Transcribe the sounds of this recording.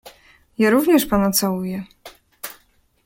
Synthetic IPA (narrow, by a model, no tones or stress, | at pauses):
jaɾuvɲɛʂpanɔt̪sawujɛ